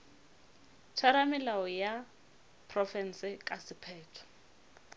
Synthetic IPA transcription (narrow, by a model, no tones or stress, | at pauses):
t͡ʃʰaɾamɪlaɔja | pʰrɔfɛnsɪkʼasɪpʰɛːtʰɔ̥